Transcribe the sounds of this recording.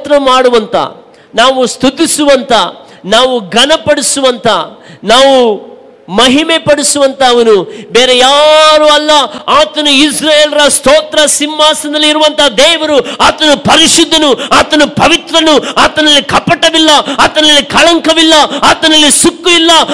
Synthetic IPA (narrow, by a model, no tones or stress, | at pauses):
t̪ɾɐmaːɽuʋɐnt̪ɐ̰ | naːʋust̪ud̪ːisuʋɐnt̪ɐ | naːʋuɡɐnɐpɐɽisuʋɐnt̪ʰɐnaːʋu | mɐɦimepɐɽisuʋɐnt̪ɐːʋɐnubeːɾejaːɾuɐlːɐaːt̪ɐnuisɾaːjeːlɐɾɐst̪oːt̪ɾɐsimmaːsɐnd̪ɐlːiiɾuʋɐnt̪ʰɐɦad̪ɛːʋɐɾuaːt̪ɐnupɐɾiʂud̪ʱːɐnuaːt̪ɐnupɐʋit̪ɾɐnuaːt̪ɐnɐlːikɐpɐʈɐʋilːɐaːt̪ɐnɐlːikɐɭɐŋkɐʋilːɐaːt̪ɐnɐlːisukːuʋilːɐ